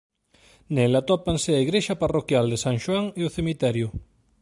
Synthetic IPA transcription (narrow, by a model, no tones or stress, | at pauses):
nɛlat̪ɔpansɪaiɣɾeʃaparokjald̪esaŋʃwaŋeʊθemit̪ɛɾjʊ